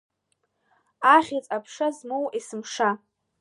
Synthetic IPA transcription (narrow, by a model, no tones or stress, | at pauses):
aχʲit͡sʼapʰʂazmowisɨmʂa